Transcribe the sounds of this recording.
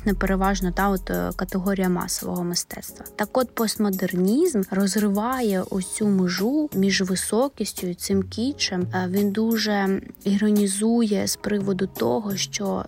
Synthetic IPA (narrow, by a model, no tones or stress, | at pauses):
nɛpeɾeʋɑʒnɔt̪ɑɔt̪kɐt̪eɦɔɾʲijɐmɑ̰sɔʋɔ̰ɦɔmɪst̪ɛ̰t̪st̪ʋɐt̪ɑkɔt̪pɔst̪mɔd̪ernʲizmrɔzrɪʋɑjɛʔʊt͡sʲumɪʒumʲiʒʋɪsɔkʲisʲtʲʊjʊt̪sɪmkʲit͡ʃɛmʋʲind̪uʒɛiɦɾɔnʲizujɛspɾɪʋɔd̪ʊt̪ɔ̰ɦɔʃt͡ʃɔ